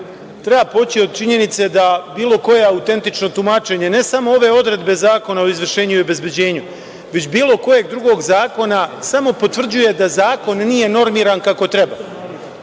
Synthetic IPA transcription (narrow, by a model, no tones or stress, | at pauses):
t̪ɾe̞baːpo̞t͡ɕio̞d̪̚t͡ʃiɲe̞nit̪se̞d̪abiːlo̞ko̞jeaut̪e̞nt̪it͡ʃno̞t̪umat͡ʃe̞ɲene̞samo̞o̞ʋe̞o̞d̪ɾe̞d̪be̞zaːko̞nao̞izʋr̩ʃe̞ːɲuiobe̞zbe̞d͡ʑe̞ːɲu | ʋe̞t͡ɕbiːlo̞ko̞je̞ɡ̚d̪ɾuɡo̞ɡzaːko̞nasamo̞po̞t̪ʋvr̩d͡ʑuje̞d̪azaːko̞nːiːje̞no̞ɾmiːɾankako̞t̪ɾe̞ba